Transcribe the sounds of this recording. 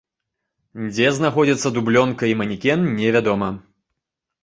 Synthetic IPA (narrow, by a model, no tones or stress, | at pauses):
d͡zʲɛznaxɔd͡zʲit̪sːɐd̪ublʲɔnkɐimɐnʲikʲɛnnʲɛvʲad̪ɔmɐ